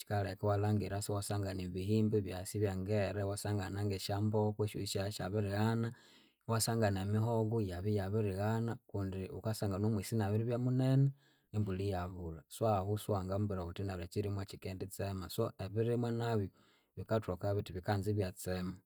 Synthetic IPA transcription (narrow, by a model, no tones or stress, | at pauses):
t͡ʃi̥kalekawalaːŋɡiɾasiwasaŋɡaniβihiːmbiβjasiβjaŋɡeɾewasaːŋɡanaŋɡeʃambokweʃṵiʃaʃaβiɾiɣana | wasaŋɡanemiɦoɡujaβijaβiɾiɣanakuːndiukasaŋɡanomwisinaβiɾiβjamunene | embulijaβulaswahuswaːŋɡambuɾahutinaɾat͡ʃiɾimwat͡ʃikeːndit͡semasoeβiɾimwanaβjo | βikatokaβitiβikanziβjat͡sema